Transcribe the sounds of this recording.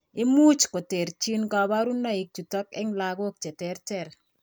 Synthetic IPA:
ɪ˦mu˦t͡ʃko˨te˨ɾt͡ʃi˦nka˨ba˦ɾu˦nːa˦ɪ˦k̚tu˨tɔ˦kɛ˦ŋla˨ɡo˦k̚t͡ʃɛ˨tɛ˦ɾtɛ˨ɾ

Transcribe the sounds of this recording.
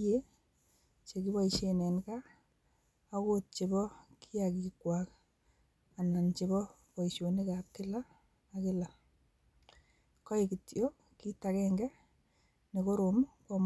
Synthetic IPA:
e˦ | t͡ʃe˨ki˦ba˦iʃe˨nɛ˨nka˦ | ko˦t̚t͡ʃe˨bɔ˦kʰi˦a˨ki˨kwak | a˨na˨nt͡ʃe˨bɔ˦pɔ˨iʃo˨ni˦ka˨kɪ˦laː˦˨ | kɪ˦la˨ | kɔ˦ɪki˨tjo˦ | ki˦takɛ˦ŋɡɛ˦ | ne˨ko˦ɾomkom

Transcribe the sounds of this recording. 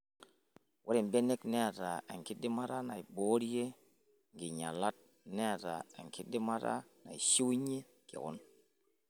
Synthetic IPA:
wʔo˦ɾi˨mbe˦ne˦kne˦a˨ta˨a˨ŋki˦di˦ma˦ɾa˦na˨i˨bo˦ɾje˦ | ŋɡi˨ɲa˨la˦t̚ | ne˦a˨ta̰˨a̰˨ŋki˦di˦ma˦ɾa̰˦na̰˨i˨ʃi˦ɲe˦ | kḭ˨ɣɔ̰˦n

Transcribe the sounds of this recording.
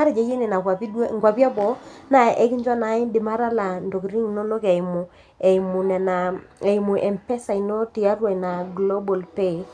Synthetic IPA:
a˦ɾe˨d͡ʒe˨˦je˦ne˨na˨kwa˨pi˦ŋɡwa˨pja˦bɔ˨˦na˨ʔɛ˦kɪ˦ɲd͡ʒwa˦na˨˦ɪ˦ndɪ˨ma˦ɾa˦la˨ndɔ˨kɾi˦ŋ˨nɔ˦nɔ˦kɛ˨i˨mu˨ | ɛ˨i˨mu˨nɛ˨na˨e˨i˨mu˨ʔɛ˨mpɛ˦sa˨i˨nɔ˦ti˨a˦ɾwa˨i˨na˨ɡlɔ˦bɔ˨lpe˦˨

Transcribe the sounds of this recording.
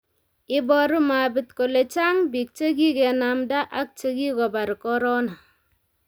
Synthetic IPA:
i˦bɔ˦ɾu˦ma˨bi˦tko˨le˨t͡ʃa˦ŋbi˨k̚t͡ʃe˦ɡi˦ke˨na˨mda˦ʔa˦k̚t͡ʃe˦ɡi˦ko˨ba˨ɾi˨kɔ˦ɾɔ˦na˨

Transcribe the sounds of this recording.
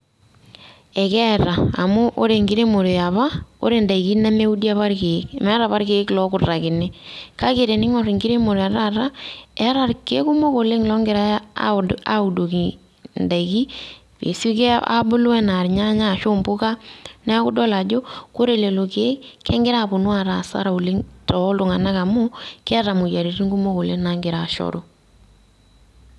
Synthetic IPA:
ɛ˨kɛ˦˨ɾa˨a˨mʊ˦ʔo˦ɾe˨ŋɡɪ˦ɾe˦mo˨ɾe˨a˨βa˦o̰˦ɾe˨nda˨i˨ki˦na˦me˦u˦di˦a˦βa˦ɾke˨˦kmɛ˦ɾa˨βa˦ɾke˨ɪ˦klɔ˦kʊ˨ra˨kɪ˨ne˦ka˦ke˨ɾe˨nɪ˦ŋɔ˨ɾi˨ŋɡi˦ɾe˦mo˨ɾa˨ɾa˦ɾa˦ɛ˦ɾa˨rke˦ku˦mo˦ko˨le˦ŋlɔ˦ŋɡɪ˨ɾa̰˦a̰˦u˨do˨ki˨ | nda˨ki˦ | pḛ˨su˦ke˦a̰˦bʊ˦lɛ˦na˨ɾɲa˦ɲa˦˨ʃo˦mbʊ˦ka˦nɛ˦a˦kʊ˦dɔ˦la˨d͡ʒo˦ko˦ɾe˨le˨lo˨ke˨˦kɛ˦ŋɡɪ˦ɾa˦˨pʊ˨nwa˨ɾa˨sa̰˦ɾa˨u˨le˦ŋtɔ˨˦ltʊ˨ŋa˨na˦ka˨mo˦kɛ˦ɾa˨mʊ˨ja˨ɾi˨ɾi˦ŋɡu˦mo˦ko˨le˦na˨ŋɡɪ˨ɾa˨ʃɔ̰˦ɾo˦

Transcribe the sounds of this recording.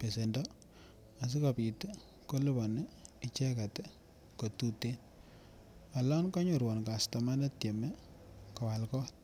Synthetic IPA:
pe˨se˨ndɔ | a˨s̬i˦kapi˨tɛ˦ | ko˦lɪ˦bɔ˨nɪ˦t͡ʃɛ˦ka˨tɛ˦ | ko˨tu˦te˦n | a˨lɔ˦nka˦ɲo˨ɾwɔ˨nka˨sta˨ma˦nɛ˦tje˨mɛ˦kɔ˨wa˨lkɔ˦t̚

